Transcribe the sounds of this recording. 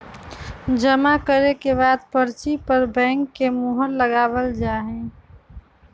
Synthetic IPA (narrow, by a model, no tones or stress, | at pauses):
d͡ʒəmakəɾekebaːd̪̚pəɾt͡ʃipəɾbɛ̃ːŋkːemuɦəɾːəɡaːwəld͡ʒaːɦẽ